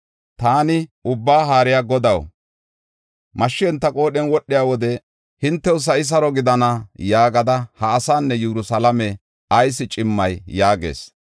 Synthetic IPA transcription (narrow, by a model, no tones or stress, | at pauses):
t̪aːnɪʊbːaːɦaːɾɪjaɡɔd̪ɐw | mɐʃːɪɛnt̪ːɐkʼo̞ːɗɛnwɔɗːɪjaːwɔd̪ɛ | hɪnt̪ːɛwʊs̬ɐɪs̬ɐɾɔɡɪd̪ɐnɐjaːɡɐd̪ɐhɐːsaːnːɛjɛɾʊsɐlɐmɛ | ɐjsɪt͡ʃʼɪmːɐjːaːɡḛːs